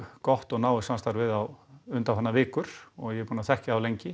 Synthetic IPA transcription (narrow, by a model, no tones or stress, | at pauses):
kɔht̪ɔɣnaːwɪsanst̪aɾvɪðawʏnt̪afanːavɪːkʏɾ̥ɔɣjɛpuːnaθɛhcaawlejɲcɪ